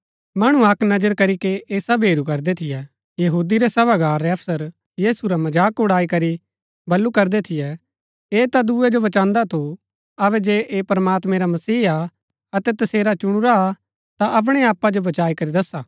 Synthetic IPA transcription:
mɐɽ̃ũɐknɐd͡ʒəɾkɐɾikeeːsɐbɦeːɾukɐɾd̪ɛt̪ʰɪjɛ | jɐɦuːd̪iɾɛsɐbaɡaːɾːɛɐfsəɾ | jiːsuɾamɐd͡ʒaːkʊɽaːikɐɾi | bɐlːukɐɾd̪ɛt̪ʰɪjɛ | eːt̪ad̪uːɛd͡ʒobɐt͡ʃãːnd̪at̪ʰo | ɐβɛd͡ʒeːʔeːpɐɾmaːt̪mɛ̃ɾamɐsiːa | ɐt̪ɛt̪ɐseːɾat͡ʃʊɽ̃uɾa | t̪aʔɐp̬ɽ̃eaːpːad͡ʒobɐt͡ʃaːikɐɾid̪ɐsːaː

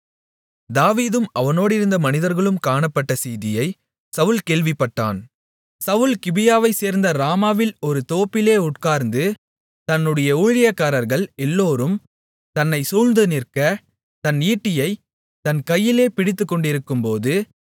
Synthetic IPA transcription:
d̪aːʋiːðɯmɐʋɐnoːɽɪɾɯnd̪ɐmɐnɪðɐɾɣɐɭɯmkaːɳɐpːɐʈːɐsiːðɪjɐɪ | sɐʋɯlkeːɭʋɪpːɐʈːa̰ːn | sɐʋʊlkɪbɪjaːʋɐɪseːɾnd̪ɐɾaːmaːʋɪlɔɾɯt̪oːpːɪleːʊʈkaːɾnd̪ɯ | t̪ɐnːɯɽɐjɐuːɻɪjɐkːaːɾɐɾɣɐɭɛlːoːɾɯm | t̪ɐnːɐɪsuːɻnd̪ɯnɪrkɐ | t̪ɐniːʈːɪjɐɪ | t̪ɐnkɐjːɪleːpɪɽɪt̪ːɯkːɔɳɖɪɾɯkːɯmpoːðɯ

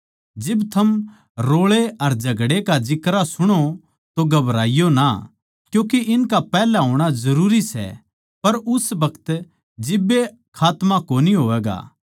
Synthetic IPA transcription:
d͡ʒɪbt̪ʰɐm | ɾoːɭeɐɾd͡ʒʱɐɡɽekad͡ʒɪkɾasʊɽ̃o | t̪oɡɐbɾaːɪjona | kjũːkeʔɪnkapɛːlaɦoːɽ̃azɐɾuːɾisɛ̰ | pɐɾʊsbɐkʰt̪ | d͡ʒɪbːe | kʰaːt̪mãkoːniɦoːʋɛːɡa̰ː

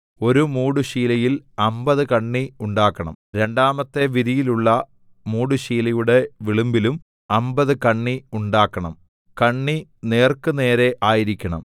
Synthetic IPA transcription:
o̞ɾumuːɽuɕiːlɐjilɐmbɐðɨkɐɳːiuɳɖaːkːɐɳɐ̰mɾe̞ɳɖaːmɐt̪ːe̞ʋiðijiluɭːɐ | muːɽuɕiːlɐjuɽe̞ʋiɭumbilum | ɐmbɐðɨkɐɳːiuɳɖaːkːɐɳɐm | kɐɳːine̞ːrkɨne̞ːɾeʔaːjiɾikʲːɐɳɐ̰m

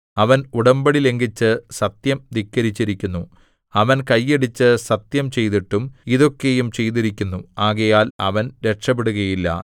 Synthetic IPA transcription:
ɐʋɐnuɽɐmbɐɽile̞ŋɡit͡ɕːɨsɐt̪jɐmd̪ikːɐɾit͡ɕːiɾikʲːunːu | ɐʋɐnkɐjːeɽit͡ɕːɨsɐt̪jɐmt͡ɕe̞jt̪iʈːumiðo̞kːe̞jumt͡ɕe̞jt̪iɾikʲːunːuaːɣɐjaːlɐ̰ʋɐnɾe̞ʈʂɐp̬ːeɽuɣɐjilːɐ̰

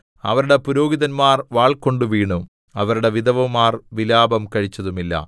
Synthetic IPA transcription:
ɐ̰ʋɐɾuɽe̞puɾo̞ːɡiðɐnmaːrʋaːɭko̞ɳɖuʋiːɳu | ɐʋɐɾuɽe̞ʋid̪ɐʋɐmːaːrʋilaːbɐmkɐɻit͡ɕːɐðumilːɐ̰

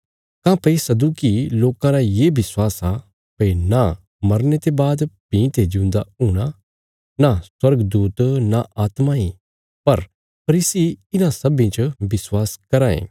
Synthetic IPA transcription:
kãːpɐisɐd̪uːkiloːkãɾajebɪswaːsa | pɐina | mɐɾnet̪ebaːd̪pĩːt̪ʰed͡ʒɪʊ̃nd̪auːɽ̃a | naswɐɾɡd̪uːt̪naʔaːt̪maĩ | pɐɾ | pʰɐɾiːsiɪnãsɐbĩt͡ʃbɪswaːskɐɾaːḛ̃ː

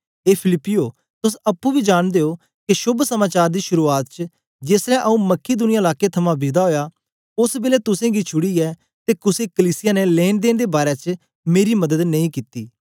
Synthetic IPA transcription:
eːpʰɪlɪpːɪjoː | t̪ʊsɐpːũbʱiːd͡ʒaːɽ̃d̪eːo | keʃʊbʱsɐmaːt͡ʃaːɾd̪iːʃʊɾuaːt̪t͡ʃə | d͡ʒeːsɾɛ̃ʔɐũmɐkːid̪ʊnɪjãːlaːket̪ʰɐmãbɪd̪aɦoːja | ʊsbeːlɛt̪ʊsẽːɡit͡ʃʰʊɽiɛː | t̪eːkʊsekəliːsɪjanɛleːnd̪eːnd̪eːbaːɾɛt͡ʃ | meːɾimɐd̪əd̪nɐĩkit̪iː

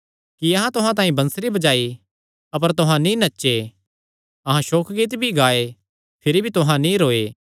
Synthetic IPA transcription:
kiɐɦãt̪ʊɦãt̪ãːĩbɐ̃nsɾibɐd͡ʒaːi | ɐp̬əɾt̪ʊɦãnĩnɐtːʃe | ɐɦãʃoːkʰɡiːt̪bʱiɡaːe | pʰɪɾibʱit̪ʊɦãnĩɾoːeː

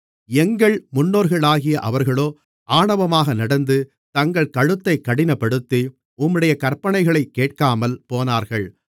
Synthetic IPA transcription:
ɛŋɡɐɭmʊnːoːɾɣɐɭaːɣɪjɐʔɐʋɐɾɣɐɭoː | ʔaːɳɐʋɐmaːɣɐnɐɽɐnd̪ɯ | t̪ɐŋɡɐɭkɐɻɯt̪ːɐɪkːɐɽɪnɐpːɐɽɯt̪ːi | ʊmːɯɽɐjɐkɐɾpɐɳɐɪɣɐɭɐɪkːeːʈ̚kaːmɐlpoːnaːɾɣɐɭ

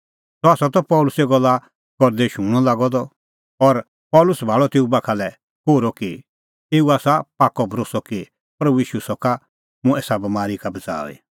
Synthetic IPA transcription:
t̪ɔaːsɔt̪ɔpɔːlʊseɡɔlːa | kɔɾd̪eʃũːɽ̃ɔ̃laːɡɔd̪ɔ | ɔɾ | pɔːlʊsbʱaːɭɔt̪eːubakʰalɛ | koːɾɔki | eːuaːsapaːkɔbʱɾoːsɔki | pɾɐbujiːʃusɔka | mũɛːsabɐmaːɾikabɐt͡sa̰ːḭ

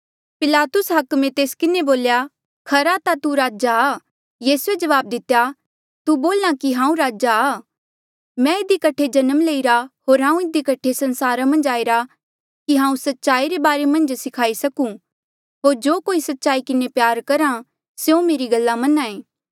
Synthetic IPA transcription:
pɪlaːt̪ʊsɦɐkmẽt̪eːskɪneboːlja | kʰɐɾat̪at̪uɾaːd͡ʒaː | jiːsued͡ʒɐʋaːb̚d̪ɪt̪ːja | t̪uboːlãkiɦãːũɾaːd͡ʒaː | mɛ̃ɪd̪ikɐʈʰed͡ʒɐnəmleːiɾaɦoːɾɦãːũɪd̪ikɐʈʰesɐ̃nsaːɾamɐ̃nd͡ʒaːiɾa | kiɦãːũsɐtːʃaːiɾebaːɾemɐ̃nd͡ʒsɪkʰaːisɐkũ | ɦoːɾd͡ʒoːkoːisɐtːʃaːikɪnepjaːɾkɐɾã | seõmeːɾiɡɐlːamɐnãːẽː

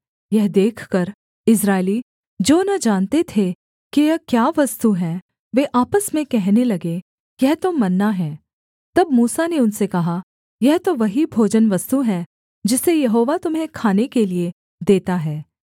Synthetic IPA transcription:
jɛɦd̪eːkʰkɐɾ | ɪs̬ɾaːɪli | d͡ʒoːnɐd͡ʒaːnt̪et̪ʰe | kijɐɦkjaːʋɐst̪uɦɛː | ʋeʔaːpəsmẽkɛɦnelɐɡe | jjɛɦt̪omɐnːaɦɛː | t̪ɐb̚muːsaneʊnsekɐɦa | jɛɦt̪oʋɐɦibʱoːd͡ʒənʋɐst̪uɦɛː | d͡ʒɪsːejɐɦoːʋat̪ʊmɦẽkʰaːnekelie | d̪eːt̪aɦɛː

